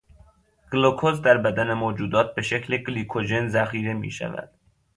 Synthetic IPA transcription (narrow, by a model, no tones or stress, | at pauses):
ɡ̥lokʰozd̪æɾbæd̪ænemoːd͡ʒuːd̪ɒːt̪̚be̞ʃecʰlekɡliːkʰod͡ʒe̞nzæxiːɾe̞mḭːʃæ̰væ̰d̪̥